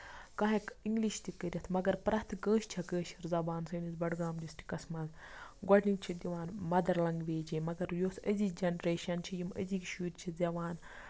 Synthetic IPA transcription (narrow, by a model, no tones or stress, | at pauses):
kɐɦẽkiŋɡliʃt̪ikəɾʲɐt̪ʰmɐɡɐɾpɾɐt̪ʰkə̃ːʃt͡ʃʰɐkə̃ːʃiɾzɐbaːnsɐːnizbɐɖɡaːmd̪istʲʰi̥kɐsmɐz | ɡɔʈint͡ʃʰid̪ʲiʋaːnmɐd̪ɐɾlɐŋɡʋeːd͡ʒemɐɡɐɾjoːsəzid͡ʒɐnɾeːʃɐnt͡ʃʰijimə̰zikʃuːt̪ʲt͡ʃʰizɐʋaːn